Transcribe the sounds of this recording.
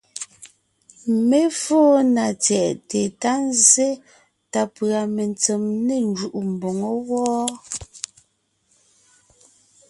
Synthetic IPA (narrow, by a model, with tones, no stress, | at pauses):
me˦foː˦na˨t͡sjɛ˨ʔte˨ta˦n˦ze˦ | ta˨pɰa˨me˨nt͡se˨mne˨nd͡ʒu˨ʔu˨m̩˨bo˨ŋɔ˦wɔː˦